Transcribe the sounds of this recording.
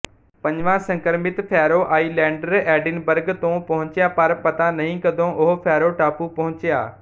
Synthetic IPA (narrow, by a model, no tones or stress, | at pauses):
pɐ̃ɲʋãsɐ̃ŋkəɾmɪt̪fʰɛːɾoʔaːiːlɛ̃ːɳɖəɾɛːɖɪnbəɾɡt̪õpɐɦʊ̃ɲt͡ɕijapɐɾpɐt̪anɐɦĩkɐ̃d̪ʱõʔʊɦofʰɛːɾoʈaːpupɐɦʊ̃ɲt͡ɕija̰ː